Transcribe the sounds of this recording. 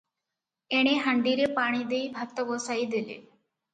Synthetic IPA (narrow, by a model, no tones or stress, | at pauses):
eɳeɦɐɳɖiːɾepaːɳ̃id̪ejbʱɐk̚t̪ːɐɡoːsajid̪ilḭ